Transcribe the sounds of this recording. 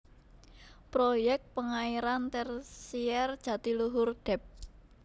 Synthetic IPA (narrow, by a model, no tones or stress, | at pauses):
pɾojɛk̚t̪̚pəŋaiɾant̪ɛrsiɛrd̥ʒ̥ä̤t̪iluɦʊrd̪̥ɛ̤p̚